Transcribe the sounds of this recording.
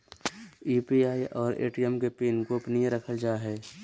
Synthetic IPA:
iːpiaːiʔɔːɾḛːʈiɛmkepiːnkopniẽɾəkʰəld͡ʒaːɦɛː

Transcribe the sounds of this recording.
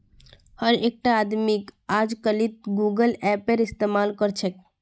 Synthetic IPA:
həɾek̚ʈaːd̪mikad͡ʒkəlit̪̚ɡuɡəlɛpeɾist̪emalkəɾt͡ʃʰɛk

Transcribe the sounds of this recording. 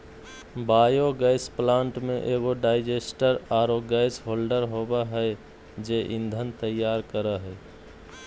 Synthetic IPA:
baːjoɡaɪsplãːɳʈmẽʔeɡoɖaːɪd͡ʒeːsʈəɾaːɾoɡaɪsɦoːlɖəɾɦoːbaɦɛ | d͡ʒeːʔɪ̃nd̪ʱənt̪əjːaːɾkəɾaɦɛː

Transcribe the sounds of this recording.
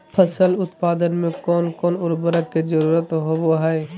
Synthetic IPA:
pʰəsəlʊt̪paːd̪ənmẽkɔːnkɔːnʊɾbəɾəkizəɾuːɾət̪ɦoboɦɛe

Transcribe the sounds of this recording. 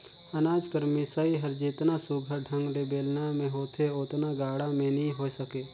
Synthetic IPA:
ənaːd͡ʒkəɾmisəiɦɐɾd͡ʒiːt̪nasuɡʱəɖʱə̃ŋɡɾebeːlnamẽɦoːt̪ʰeot̪naɡaːɽamẽnĩɦoːsəkeː

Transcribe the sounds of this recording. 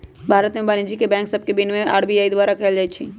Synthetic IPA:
bʱaːɾət̪mẽbaːnid͡ʒikebɛ̃ːŋksəb̚kebɪnmẽʔa̰ːɽbiaːid̪ʋaːɾakɐld͡ʒajt͡ʃʰi

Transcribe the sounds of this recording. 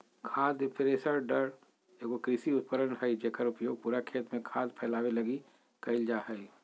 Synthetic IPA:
kʰaːd̪pɾeːsəɾɖəɾ | eːkokɾɪsiʊt̪̚pəɾənɦəid͡ʒekəɾʊpjoːɡ̚puːɾakʰeːt̪mẽkʰaːd̪pʰɛːlaːwelɐɡi | kɐɪld͡ʒaːɦəi

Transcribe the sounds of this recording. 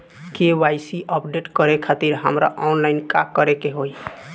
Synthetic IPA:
keʋajsiʔəpɖeʈkəɾekʰat̪iɾɦəmɾa̰ʔɔnlajnkakəɾekeɦoj

